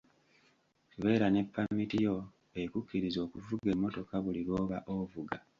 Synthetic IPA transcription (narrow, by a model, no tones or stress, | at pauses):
tuβe̞ːɾane̞pːamitijo̞ | eikukːiɾizo̞ːkuvuɡe̞mːo̞to̞kaβuliɾwo̞ːβaʔovuɡa